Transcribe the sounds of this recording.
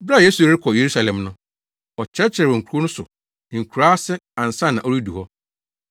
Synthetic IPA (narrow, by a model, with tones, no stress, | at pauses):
bɾa˦˨je˦su˨ɪ˦kʰɔ˨je˨ɾu˦sa˨lɛ̃˨mnʊ̃˦ | ɔ˨t͡ɕʰɛ˦t͡ɕʰɪ˨ɛ˨wɔ˨ŋ̩˨kʰu˨˦o˦nʊ̃˦sʊ̰˨ | ŋ̩˨kʰu˨ɾaː˦sɛ˦ã˨n̩˨sã˦˨nːã˨ʔo˦ɾi˦du˨hɔ˦